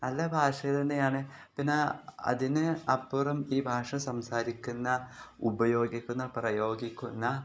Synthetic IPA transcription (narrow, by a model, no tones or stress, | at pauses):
nɐlːɐbʱaːʂɐɣɐɭenːejaːɳɨpinːeɐ̰ðinɨɐpːurɐmiːbʱaːʂɐsɐmsaːɾikʲːunːɐubɐjo̞ːɡikʲːunːɐprɐjo̞ːɡikʲːunːɐ